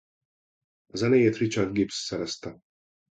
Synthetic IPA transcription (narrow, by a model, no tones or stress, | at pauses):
zanɛjɛt̪ɾit͡ʃad̪ɡipsːɛɾɛst̪a